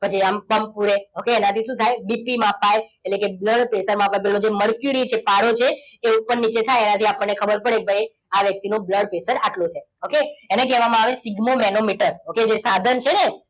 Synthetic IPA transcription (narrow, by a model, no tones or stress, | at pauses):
pət͡ʃʰiamkəmpuɾeokeːnat̪ʰiʃũt̪ʰajbipimãpajeʈlekebləɽpesəɾmãpajpelõd͡ʒeməɭkjuɾit͡ʃʰepaɽot͡ʃʰeeupəɳnit͡ʃet̪ʰajenat̪ʰiapəɳːekʰəbəɾpəɽek̚bʱəj | aʋjək̚t̪inobləɽpesəɾaʈlot͡ʃʰe | okeenekɛʋamãaʋesiɡmomɛnomiʈəɾoked͡ʒesad̪ʱənt͡ʃʰene